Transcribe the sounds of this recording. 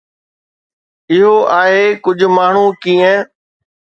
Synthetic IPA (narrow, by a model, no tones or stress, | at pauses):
ɪɦoʔaːɦekʊd͡ʑʱʊ̆maːɳ̤ukiːə̃